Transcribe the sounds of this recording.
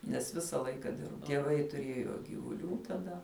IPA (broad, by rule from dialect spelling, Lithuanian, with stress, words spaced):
nʲɛs ˈʋʲɪsɐ ˈlˠɐɪkɐ ˈdʲɪrbɐ tʲiɛˈʋɐɪ tʊˈrʲeːjoː ɡʲiːʋʊˈlʲuː tɐˈdɐ